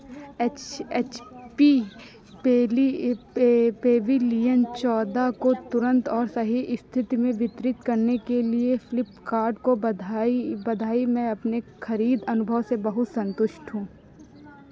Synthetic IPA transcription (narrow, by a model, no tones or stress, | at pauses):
et͡ʃeːt͡ʃpi | pɛːli | peːʋilijənt͡ʃɔːd̪akot̪ʊɾə̃nt̪ɔːɾsɐɦiʔɪst̪ʰɪt̪imẽʋɪt̪ɾɪt̪kɐɾnekeliefɪlɪpkaːɾɖko | bɐd̪ʱaːimɛ̃ɐpnexʰɐɾiːd̪ɐnʊbʱəʋsebɐɦʊt̪sɐ̃nt̪ʊʃʈʰɦũː